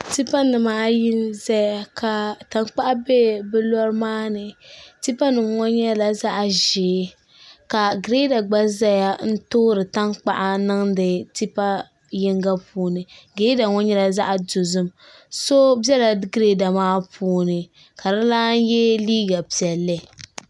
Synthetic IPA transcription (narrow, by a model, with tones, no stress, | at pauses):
ti˦pa˦nɨ˨maː˦ji˦nza˦ja˦ka˨ta˨ŋk͡pa˦ʔa˦be˦bɛ˦lɔ˦ɾmaː˦nɨ˨ti˦pa˦nɨ˨mŋɔ˦ɲɛ˦la˨za˦ʔa˨ʒeː˨˦ | ka˨ɡɾe˦da˨ɡ͡ba˦za˦ja˦n̩˦toː˦ɾɨ˨ta˦ŋk͡pa˦ʔa˦nɨ˦ŋdɨ˨ti˦pa˦ | jɪ˦ŋɡa˦puː˦nɨ˨ɡɾe˦da˨ŋɔ˦ɲɛ˦la˨za˦ʔa˨do˨zɨ˦m | so˦bɛ˦la˨˦ɡɾe˦da˨maː˦pʰuː˦nɨ˨ | ka˨dɨ˦laː˦n˦jɛ˦liː˦ɡa˨pi˨ɛ˨lːɨ˦